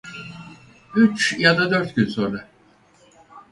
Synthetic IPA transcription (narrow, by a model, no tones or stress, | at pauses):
yt͡ʃjad̪ad̪ø̞ɾt̪cynsoːna